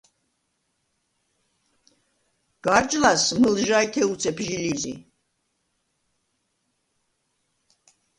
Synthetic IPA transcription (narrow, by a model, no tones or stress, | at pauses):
ɡ̥aɾd͡ʒlasmɨlʒajt̪ʰɛut̪sʰɛpʰʒilizḭ